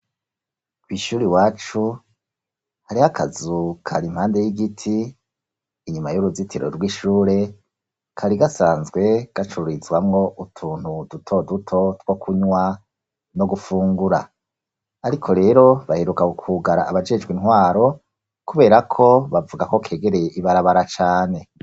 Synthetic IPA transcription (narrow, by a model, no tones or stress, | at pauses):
kwiːʃuːɾiwaːt͡ʃu | haɾihakʰazukʰaɾim̥haːnde̞jiɡitʰiː | ɲumajuɾuzitʰiɾo̰ɾɡwiːʃuːɾe̞ | kʰaɾiɡasaːnzɡwe̞ɡ̥at͡ʃuɾizwamŋo̞ʔutʰuːn̥hudutʰo̞dutʰo̞two̞kʰuɲwa | no̞ɡufuːŋɡuɾa | aɾikʰo̞ɾe̞ːɾo̞βaheɾukakukʰuɡaɾaaβad͡ʒe̞d͡ʒɡwinwaːɾo̞ | kuβe̞ːɾakʰo̞βavuɡako̞kʰe̞ːɡe̞ɾe̞jeʔiβaɾaβaɾat͡ʃaːne̞